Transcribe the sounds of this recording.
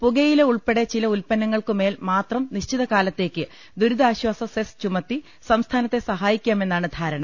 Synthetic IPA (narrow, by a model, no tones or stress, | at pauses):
puɡɐjile̞uɭpeɽet͡ɕilɐulpɐnːɐŋːɐɭkɨme̞ːlmaːt̪rɐmniɕt͡ɕiðɐkaːlɐt̪ːe̞ːkːɨ | d̪uɾud̪aːɕwaːsɐsest͡ɕumɐt̪ːi | sɐmst̪ʰaːnɐt̪ːe̞sɐɦaːjikʲːaːme̞nːaːɳɨd̪ʱaːɾɐɳɐm